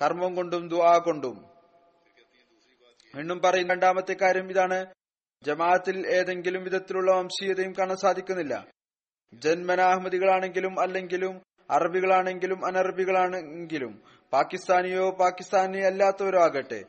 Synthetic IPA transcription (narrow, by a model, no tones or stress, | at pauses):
kɐrmɐmko̞ɳɖumd̪uaːko̞ɳɖum | ʋiɳːumpɐrɐjunːɐɳɖaːmɐt̪ːe̞kːaːɾjɐmiðaːɳɨ | d͡ʑɐmaːɐt̪ːile̞ːðe̞ŋɡilumʋid̪ʱɐt̪ːiluɭːɐmɐmɕijɐðɐjumkaːɳɐmsaːd̪ʱikʲːunːilːɐ̰ | d͡ʑenmɐnaːhmɐðiɣɐɭaːɳe̞ŋɡilumɐlːe̞ŋɡilum | ɐrɐbiɣɐɭaːɳe̞ŋɡilumɐnɐrɐbiɣɐɭaːɳeŋɡilum | paːkːist̪aːnijoːpaːkːist̪aːnijɐlːaːt̪ːɐoɾuaːɣɐʈːɨ̰